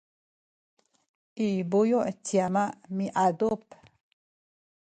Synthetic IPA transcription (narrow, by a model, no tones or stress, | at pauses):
ʔibujoʔtiamaʔmiʔad̪up